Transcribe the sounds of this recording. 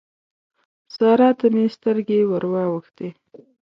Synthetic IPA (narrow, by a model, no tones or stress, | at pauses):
sɑɾɑt̪amest̪əɾɡewəɾwɑwəxt̪e